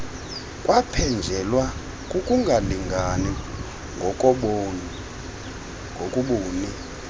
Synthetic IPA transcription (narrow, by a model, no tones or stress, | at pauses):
kʼwapʰɛnd͡ʒʱɛlwa | kʼukʼuŋɡʱaliŋɡʱanɛ | ŋɡʱɔkʼɔɓ | ŋɡʱokʼuɓoːni